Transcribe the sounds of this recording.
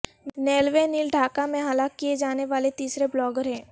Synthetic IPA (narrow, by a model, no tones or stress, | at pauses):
nɛːlʋeniːlɖʱaːkamẽɦalakːijed͡ʒaːneʋaːlet̪iːsɾeblɔːɡəɾɦɛ̃ː